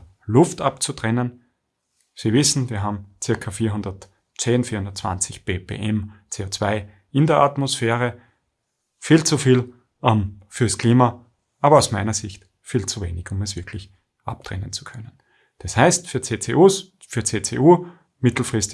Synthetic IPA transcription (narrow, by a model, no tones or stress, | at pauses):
lʊftapt͡sutʁ̥ɛnən | sivɪsn̩viːɐɦaːbm̩t͡sɪɐkʰafiːɐɦʊndɐt | t͡seːnfiːɐhʊndɐətt͡sv̥a̰nt͡sɪçb̥eːpʰḛːʔɛmt͡seːot͡sv̥aɪ | ɪndeɐʔatmosfɛːʁə | fiːlt͡sufiːl | ʔɛmfyːɐskl̥iːma | ʔaːbɐɑʊsmaɪnɐzɪçt | fiːlt͡suveːnɪçʊmɛsv̥ɪɐkʰlɪç | ʔa̰p̚tʁ̥ɛ̰nənt͡su̥kʰœnən | d̥ashaɪstfyːɐt͡seːt͡sḛʔuːs | fyːɐt͡seːt͡seʔuː | mɪtl̩fʁ̥ɪstɪ